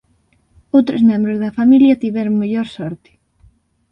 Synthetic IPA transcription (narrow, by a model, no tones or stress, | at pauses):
owt̪ɾozmẽmbɾozðɐfamiljɐt̪iβɛɾʊŋmeʎoɾsɔɾt̪ɪ̥